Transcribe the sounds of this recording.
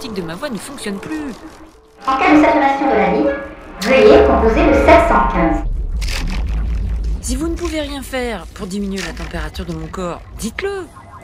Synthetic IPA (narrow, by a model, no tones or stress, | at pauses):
t̪ik̚d̪əmavwanəfɔ̃ksjɔnply | ɑ̃kasalmasjɔ̃d̪əlaviʒøejekɔ̃pozeləsɛt̪sɑ̃kʲɛ̃z | sivunəpuveʁjɛ̃fɛʁpuʁd̪iminɥelat̪ɑ̃peʁat̪yʁd̪əmɔ̃kɔːʁd̪it̪lə